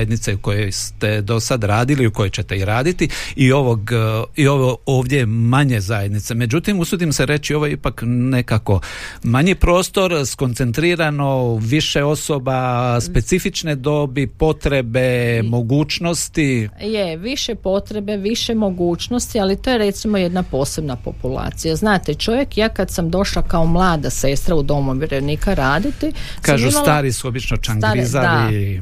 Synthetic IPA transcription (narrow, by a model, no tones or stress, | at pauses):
jed̪nit̪seuko̞jo̞jst̪e̞d̪o̞sad̪ɾaːd̪iliuko̞jot͡ɕe̞t̪e̞iɾaːd̪it̪iioʋoɡio̞ʋooːʋd̪je̞maɲe̞zaje̞d̪nit̪se̞me̞d͡ʑut̪imusud̪imse̞ɾe̞t͡ʃio̞ʋo̞jeipakne̞kako̞maɲipɾo̞ːst̪o̞ɾsko̞nt̪se̞nt̪ɾiːɾano̞ʋiʃe̞o̞so̞baspe̞t̪sifit͡ʃned̪o̞bipo̞t̪ɾe̞be̞mo̞ɡuːt͡ʃno̞st̪ijeʋiʃepo̞t̪ɾe̞be̞ʋiʃemo̞ɡuːt͡ʃno̞st̪ialit̪oje̞ɾe̞t̪simo̞je̞d̪napo̞ːse̞bnapo̞̰pula̰ːt̪sijaznaːt̪et͡ʃo̞ʋje̞kjaːkad̪samd̪o̞ʃlakaomlˠaːd̪asest̪ɾaud̪o̞muʋjɾenikaɾaːd̪it̪isk̪aːʒusmalaːɾisuo̞bit͡ʃnot͡ʃaŋk̪ɾizad̪ali